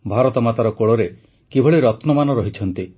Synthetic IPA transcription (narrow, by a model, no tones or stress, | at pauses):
bʱaɾɔt̪ɔmat̪aɾɔkoɭɔɾe | kibʱɔɭiɾɔt̪nɔmanɔɾɔɦit͡ʃʰɔnt̪i